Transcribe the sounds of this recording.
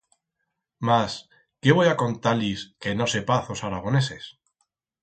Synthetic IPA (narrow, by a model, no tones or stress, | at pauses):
mas | keβo̞jako̞nt̪aliske̞no̞se̞paθo̞saɾaɣ̞o̞ne̞ses